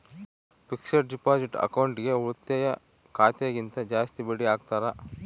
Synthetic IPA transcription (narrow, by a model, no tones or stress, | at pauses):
pikʂɐɾɖipaːd͡ʒiʈɐ̰kɐwuɳʈɡe̞uɾut̪ːɐjɐ | kʰaːt̪jɐɡint̪ɐd͡ʒaːst̪ibeɽiaːɡt̪aːɾɐ